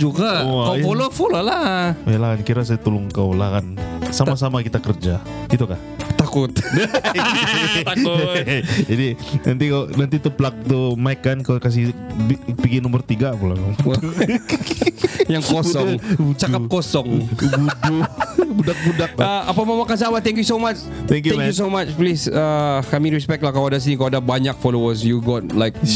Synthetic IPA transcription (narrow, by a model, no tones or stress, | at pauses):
d͡ʒuɡakawfolofololahajalahkankiɾas̬ajat̪ulʊŋkawlahkansamasamakit̪akərd͡ʒa | it̪ukah | t̪akʊt̪̚a | t̪akʊ | d͡ʒadinant̪ikawnant̪it̪uplak̚t̪umaɪkːankawkas̬ɪipiɡinɔmbərt̪iɡapula̰nɔ | jaŋkosɔŋt͡ʃakap̚kosɔŋɡuɡubudak̚budak̚aʔapamamakans̬amat̪ɛŋkjusomat͡ʃ | t̪ɛ̃ŋkjũkus̬omat͡ʃplisakamiɾɛspɛk̚t̚lahkaloadas̬inikalwadabaɲak̚fɔlowəsjuɡɔt̪̚lajk̚